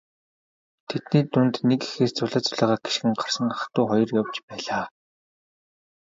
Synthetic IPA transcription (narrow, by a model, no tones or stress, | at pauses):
t̪ʰet̪niːt̪unt̪neki̥xeːst͡sʊɮaːt͡sʊɮæːʁaːɡe̥ʃ̆ɘ̆ŋɢarsə̆ŋat̪ʊːχɔjɞ̆rjawt͡ɕpæːɮaː